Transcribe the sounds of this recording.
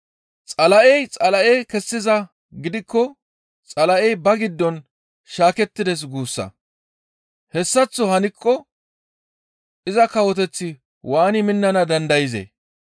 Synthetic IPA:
t͡sʼɐlɐʔɛjt͡sʼɐlɐʔejkɛsːɪzɐ | ɡɪd̪ɪkːɔ | t͡sʼɐlɐʔɛjbɐɡɪd̪ːɔn | ʃaːkɛt̪ːɪd̪ɛs̬ɡuːsːɐ̰ | hɛsːɐt͡sːɔhɐnɪkʰːɔ | ʔɪzɐkɐwɔt̪ɛt͡sːɪ | waːnɪmɪnːɐnɐd̪ɐnd̪ɐjɪzḛ

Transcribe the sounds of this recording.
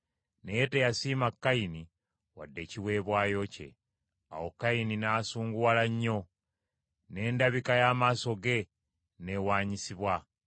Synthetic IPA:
nejetejasiːmakːaini | wa̰dːe̞ːciwe̞ːβwaːjo̞ce̞̰ | a̰wokːaininaːsuːŋɡuwalaɲːo̞ | ne̞ːndaβikajaːmaːso̞ɡe̞ | ne̞waːɲisiβwa

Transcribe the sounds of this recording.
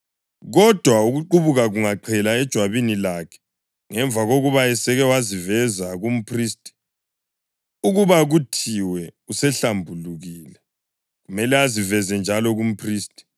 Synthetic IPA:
ɣɔd̥ʱwauɣuǃuβuɣaɣuŋaǃʰɛlaɛd̥ʒ̥ʱwaβinilakʰɛ̥ | ŋɛɱb̪vaɣoɣuβaɛsɛɣɛwazivɛzaɣum̩pʰriːstʼi̥ | uɣuβaɣutʰiwɛusɛɬambʱuluɣiːlɛ | ɣumɛlɛazivɛzɛnd͡ʒʱalɔɣum̩pʰriːstʼi̥

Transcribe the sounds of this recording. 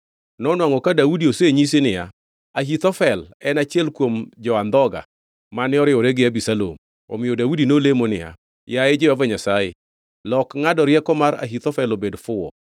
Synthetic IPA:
nɔnwaŋɔkadaudioseɲis̬enɪja̰ | aɦit̪ɔfɛlɛnat͡ʃɛlkwomd͡ʒɔand̪ɔɡa̰ | manɪɔɾɪɔɾɛɡɪabisalo̰m | ɔ̰mɪjodaudinolemonɪ̰ja̰ | jaɛd͡ʒɪɔvɛɲasajḛ | lɔkŋadɔɾjɛkɔmaɾa̰ɦit̪ɔfɛlobedfʊɔ

